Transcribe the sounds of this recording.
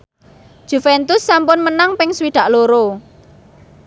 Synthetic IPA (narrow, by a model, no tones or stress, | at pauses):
ʒ̥ṳfɛnt̪ʊsːampʊnmənaŋpɪŋswiɖ̪̥ä̤ʔloɾo